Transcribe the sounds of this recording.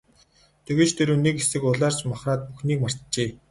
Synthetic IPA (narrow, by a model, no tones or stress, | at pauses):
t̪ʰeɣɘ̆t͡ɕt̪ʰeɾuːnekesɘ̆kʊɮaːrt͡ɕmaχraːt̪̚puxniːkmar̥t̪t͡ɕeː